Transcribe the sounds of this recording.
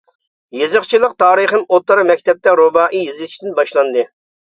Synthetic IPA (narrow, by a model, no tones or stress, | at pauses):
jezɨχt͡ʃʰilˠəq̚t̪ʰɑːɾɨχɨnot̪ːɑɾɑmɛkʲt̪ʰɛp̚t̪ɛɾobɑːʔijizɪt͡ʃʰid̪ɪnbɑʃlˠɑnd̪ɨ